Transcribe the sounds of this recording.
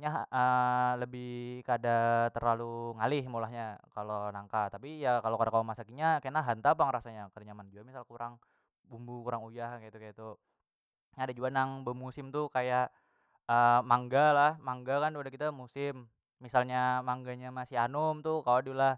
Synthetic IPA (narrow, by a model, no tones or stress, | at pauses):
ɲaɦələbɪhkadat̪ərlaluŋalɪhmolahɲakalonaŋkat̪apijakalokaɾakalomasakiɲakanaɦant̪aːp̬aŋɾasaɲakəɾɲamand͡ʒuamisalkuɾʔaŋ | bumbukuɾaŋujahkajat̪ukajat̪u | ɲaadad͡ʒuanaŋbəmusɪmt̪ukajaʔ | əmaŋɡalahmaŋɡakandupadakit̪amusɪmː | isalɲamaŋɡaɲamasianʊmt̪ukawadulah